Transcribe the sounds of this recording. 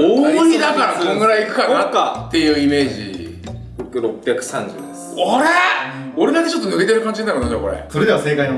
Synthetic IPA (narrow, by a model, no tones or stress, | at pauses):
oid̪akaɾasonoɡɯ̟ɾaiːkɯ̟̥kanakːat̪ːe̞jɯ̟ːime̞ːʑḭ | ɾo̞pːʲjakɯ̟̥sãɲd͡ʑɨ̰ː | oɾeo̞ɾed̪ak̪ːet͡ɕo̞t̪ːoɯ̟ɡet̪̬eɾɯ̟kãɲ̟d͡ʑinːaɾonoko̞ɾḛso̞ɾed̪e̞βase̞ːkaino